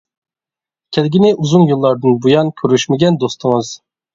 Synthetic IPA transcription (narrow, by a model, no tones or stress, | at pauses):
kʲʰɛlɡʲinɪʔuzunjulˠːɑɾd̪ɨnbujɑnkʲʰøɾyʃmɪɡʲɛnd̪ost̪ʰɨŋɨz̥